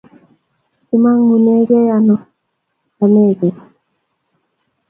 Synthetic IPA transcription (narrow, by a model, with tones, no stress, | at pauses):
i˨ma˦ŋmu˨ne˦ɡe˦ja˨nɔ˨ | a˨me˦˨ɡe˨